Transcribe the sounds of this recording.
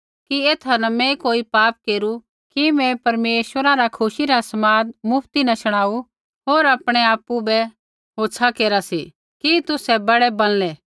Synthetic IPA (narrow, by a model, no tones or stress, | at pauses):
kieːt̪ʰanɐmɛ̃koːipaːp̚keːɾu | kimɛ̃pɐɾmeːʃwəɾaɾakʰʊʃiɾasɐmaːd̪mʊpʰt̪inɐʃɐɽ̃aːu | ɦoːɾaːpɽ̃ɛaːpubɛ | ɦoːtːsʰakeːɾasi | kit̪ʊsɛbɐɽɛbɐllɛː